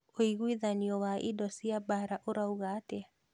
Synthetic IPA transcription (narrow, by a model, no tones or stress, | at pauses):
oiɣwiðaniɔwaʔḭdɔsiabaɾaʔoɾauɣatɛa